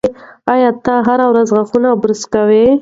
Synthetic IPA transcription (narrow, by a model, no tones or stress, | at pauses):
ɑjɑt̪aɦaɾawɾazɣaxunabɾʊskawe